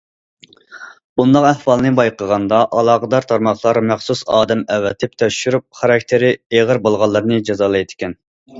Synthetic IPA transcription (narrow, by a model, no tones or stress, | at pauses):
bund̪ɑqæhwɑlˠnɨbɑjqʰəʁɑnd̪ɑʔɑlˠɑːʁəd̪ɑɾt̪ʰɑɾmɑχlˠɑɾmæχsusɑːd̪ɛmɛwːɛt̪ʰɪp̚t̪ʰɛʃyɾup̚χɑɾɑkʲt̪ʰɪɾɪeʁəɾbolˠʁɑlˠːɨɾnɨd͡ʒɑzɑːlˠɨjt̪ʰɪ̥kʲɛn